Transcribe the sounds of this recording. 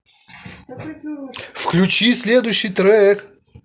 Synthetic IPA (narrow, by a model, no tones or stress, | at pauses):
fklʲut͡ɕisʲlʲed̪ʊjɕːɪjt̪ɾɛk